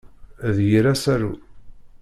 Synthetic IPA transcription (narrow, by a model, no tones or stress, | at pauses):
ðjiɾæsæɾṵ